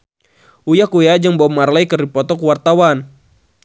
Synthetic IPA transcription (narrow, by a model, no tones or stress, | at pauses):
ujakujad͡ʒaŋbɔmarlajkəripɔt̪ɔkuwart̪awan